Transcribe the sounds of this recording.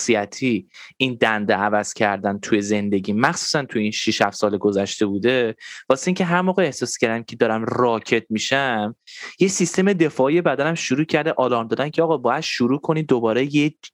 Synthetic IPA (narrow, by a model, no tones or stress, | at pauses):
siæt̪ʰiind̪ænd̪eævæz̥cʰæɾd̪ænt̪ʰuje̞ze̞nd̪e̞ɟʲiːmæxsu̥ːsænt̪ʰujeinʃiʃhæfsɒːleɡozæʃt̪e̞buːd̪e̞v̥ɒːseiːŋcʲʰe̞ɦæɾmoːɣeːhsɒːscʰæɾd̪æmcʰe̞d̪ɒːɾæmrɒːcʰe̞t̪̚miʃæmje̞sist̪e̞me̞d̪e̞fɒːije̞bæd̪ænæmʃuɾuːcʰæɾd̪eʔɒːlɒːɾmd̪ɒːd̪æncʰeɒːɣɒbɒːjæd̪̥ʃuɾuːkʰo̞nid̪obɒːɾeje